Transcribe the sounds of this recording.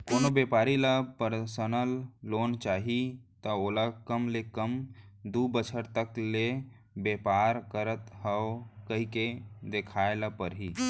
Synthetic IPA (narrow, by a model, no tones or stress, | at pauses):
koːnobepaːɾilapəɾsənəlːoːnt͡ʃaːɦit̪əoːlakəmlekəmd̪ubət͡ʃʰəɾt̪əkle | bepaːɾkəɾət̪ɦəwkəɦiked̪ekʰaːelapəɾɦi